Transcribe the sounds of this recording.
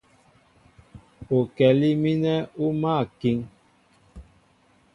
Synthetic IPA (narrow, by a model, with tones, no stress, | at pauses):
o˨kɛ˨li˦mi˦nɛ˦u˦ma˦˨ki˦ŋ